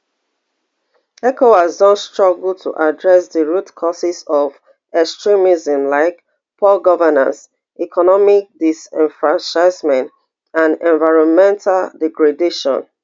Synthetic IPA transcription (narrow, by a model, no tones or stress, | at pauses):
ɛkoaznɔstɹɔɡltʰṵʔadɹɛsðəɹutkʰɔsisɔv | ɛkstɹimizə̃mlaɪk | pʰɔlɡɔvənã̰ns | ikʰɔnɔmik̚disɛ̃nfɹãnt͡ʃaɪsmɛ̃nt | ãnɛ̃nvaɪɹɔ̃nmɛ̃ntʰaldɛɡɹedeʃɔ̰̃n